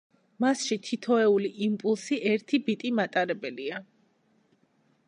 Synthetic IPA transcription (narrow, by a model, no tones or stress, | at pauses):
masʃit̪ʰit̪ʰɔɛuliʔimpʼulˠsiʔɛɾt̪ʰibit̪ʼimat̪ʼaɾɛbɛlia